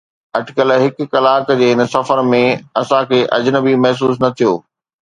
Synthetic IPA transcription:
ɐʈɪkəlɦɪkkɐlaːkd͡ʑeːɦɪnə̆sɐfəɾmẽɐsãkʰeːʔɐ̰d͡ʑnəbimɐɦs̬uːs̬nɐt̪ʰijoː

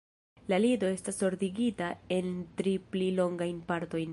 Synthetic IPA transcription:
lalido̞e̞staso̞ɾdiɡitae̞ntɾiplilo̞ŋɡajnpaɾto̞jn

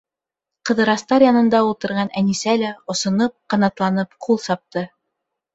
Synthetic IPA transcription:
qɤ̆ðɤ̆ɾɑst̪ɑɾjɑnɤ̆nd̪ɑulˠt̪ɤ̆ɾʁɑnænisælæŏsŏnɤp̚qɑnɑt̪lˠɑnɤpqulˠsɑp̚t̪ɤ

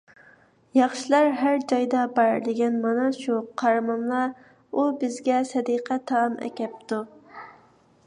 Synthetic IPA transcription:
jɑχʃilˠɑɾɦæɾd͡ʒɑjd̪ɑbɑɾd̪ɪɡʲɛnmɑnɑʃuqʰːɑɾmɑmlˠɑɾ | ubɪzɡʲɛsɛd̪iqʰɛt̪ʰɑmʔɛ̰kʲɛp̚t̪u

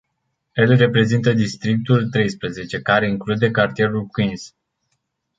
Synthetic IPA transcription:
e̞lre̞pɾe̞zint̪əd̪ist̪ɾik̚t̪ult̪ɾe̞jspɾəze̞t͡ʃe̞kaɾe̞iŋklud̪e̞kart̪ie̞ɾulkwins

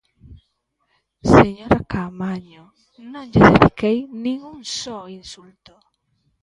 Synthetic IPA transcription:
seɲoɾakamaɲo | nõŋd͡ʒesḛfikejnĩŋunsoinsult̪o

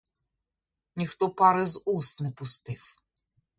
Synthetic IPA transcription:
nʲixt̪ɔpɑɾɪzust̪nɛpʊst̪ɪw

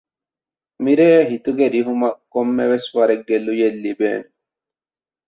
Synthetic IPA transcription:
mɪɾeːɦɪt̪ʊɡɛɾɪɦʊmɐkɔmːɛʋɛswɐɾɛɡɛlːʊjɛlːibḛːn

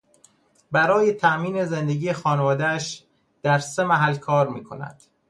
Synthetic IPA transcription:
bæɾɒːjet̪ʰæʔmiːneze̞nd̪eɟiːjexɒːnevɒːd̪ææʃ | d̪̥æɾse̞mæɦælkʰɒːɾmiːkʰo̞næ̰d̪̥

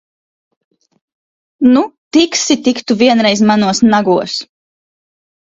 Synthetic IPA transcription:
nut̪iksit̪ikt̪uviɛnɾɛjzmanuɔsnaɡuɔs

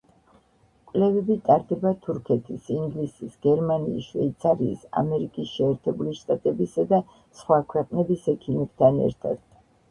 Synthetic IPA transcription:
kʼlɛvɛbit̪ʼaɾd̪ɛbat̪ʰuɾkʰɛt̪ʰisiŋɡlisisɡ̥ɛɾmaniːsʃwɛ̰it̪sʰaɾiːsa̰mɛɾikʼisʃɛːɾt̪ʰɛbuliʃt̪ʼat̪ʼɛbisad̪a | sχwakʰwɛqʼnɛbisɛkʰimɛb̥̚t̪ʰanɛ̰ɾt̪ʰa̰d̪̥

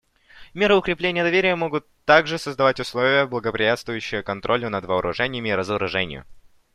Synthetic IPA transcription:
mʲeɾəʊkɾʲɪplʲenʲɪjəd̪ɐvʲeɾʲɪjəmo̞ɡʊt̪ːaɡʐɨsəzd̪ɐvatʲʊslˠovʲɪjəblˠəɡəpɾʲɪjʲat̪st̪vʊjʉɕːɪjəkɐnt̪ɾʔo̞lʲənəd̪vəɾʔʊ̰ʐɛnʲɪjəmʲɪɾəzəɾʊʐɛnʲɪ̰jʊ̰

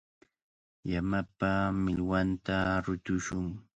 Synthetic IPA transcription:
jamapamɪlwant̪aɾʊt̪ʊʃʊŋ

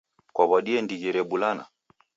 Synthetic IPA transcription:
kwaβaɗiɛndiɣɛɾɛɓulana̰

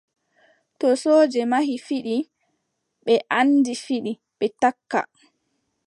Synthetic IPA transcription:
tɔsoːd͡ʒɛmahifiɗi | ɓɛʔandifiɗi | ɓɛtakːa̰

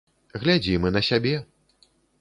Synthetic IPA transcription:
ɣlʲad͡zʲimɨnɐsʲabʲɛ

